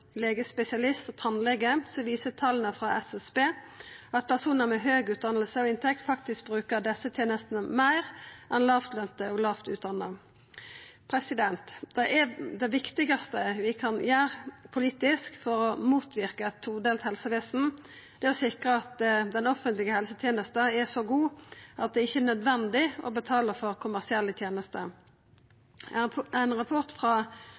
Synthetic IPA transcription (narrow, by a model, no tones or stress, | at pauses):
leːɡəspɛsɪɑlɪst̪ɔt̪ʰɑnlɛɡəsɔʋiːsət̪ʰɑlənəfʁɑʔɛsɛsbeː | ɑt̪̚pʰæʁsuːnəmɛɦøːɡʉːt̪̚d̪ɑnəl̩səɔɪnt̪ʰɛkt̪fɑkt̪ɪsk̚bʁʉːkəʁd̪ɛsːət̪ʰjeːnəst̪nəmæɪʁʔɛnlɑːft̪lœmt̪əɔɡlɑːft̪ʉːt̪̚d̪ɑnːə | pʰʁɛsɪd̪ɛnt̪d̪̥ɛɛd̪ɛʋɪkt̪ɪɡɑst̪əʋɪkʰɑnjæːʁpʰʊliːt̪ɪskfɔɾɔmuːt̪ʰʋɪʁkət̪ʰːuːd̪eːlt̪hɛlsəʋeːsn̩ | d̪̥ɛːɔsɪkʁəɑt̪d̪ɛnɔfənt̪lɪɡəhɛlsət̪ʰjeːnəst̪əɛsɔɡuːʔɑt̪̚d̪ɛɪçːənœd̪ʋɛnd̪ɪʔɔ̰bət̪ʰɑːləfɔʁkʰʊmæʁsɪɛlːət̪ʰjeːnəst̪ə | æɪnʁɑpʰʊʁt̪fʁɑ